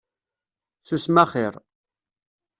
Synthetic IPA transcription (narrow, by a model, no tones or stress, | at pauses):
θəsmæχɪɾ